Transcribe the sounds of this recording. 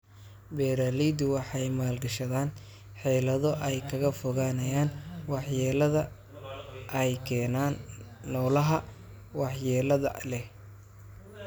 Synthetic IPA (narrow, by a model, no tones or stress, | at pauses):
bɛːɾaliːd̪ʊwɑħɑjmaːlɡɐʃɐðaːn | ħɛːlɐðɔʔɛjkʰɐɣɐfʊɣaːnɐjaːnwɑħjɛːlɐðɐ | ʔɛjkʰɛːnaːnː | ɔːlɐɦɐ | wɑħjɛːlɐðɐ̰lɛ